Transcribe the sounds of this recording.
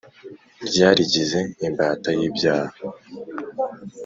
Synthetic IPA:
ɾɟaːɾiɟize̞imbaːtajibɟaːha

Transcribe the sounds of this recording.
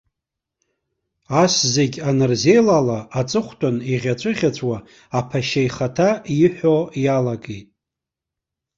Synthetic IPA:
aszeɡʲanɨrze̞jlalaːt͡sʼɨχʷtʰʼʊniʁʲat͡ɕʷʰʼɨʁʲat͡ɕʷʼwaː | pʰaʃajχatʰaiħʷᶣojalaɡejtʼ

